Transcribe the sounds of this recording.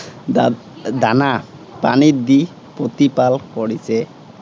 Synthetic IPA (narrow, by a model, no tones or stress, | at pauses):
d̪anapanid̪i | pot̪ipalkɔɽise